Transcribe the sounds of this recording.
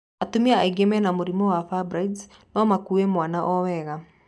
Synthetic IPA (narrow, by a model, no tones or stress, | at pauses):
atumiaaiɡɛmɛnamoɾimɔwafabɾaids | nɔmakuemwanaʔɔwɛɣa